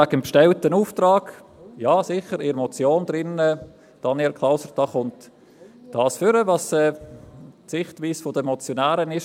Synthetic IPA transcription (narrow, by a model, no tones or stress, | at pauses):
aɡəmpʃtɛltənuːftɾɑːɡjɑːsɪχəɾɪɾmɔt͡sjoːnd̥ɾɪnə | d̥ɑnɛlkʰlaʊsəɾd̥ɑːχʊnt | d̥ɑːsfʏɾəvɑsɛː | tsɪχtʋiːsfodəmɔt͡sjonæːɾənɪʃ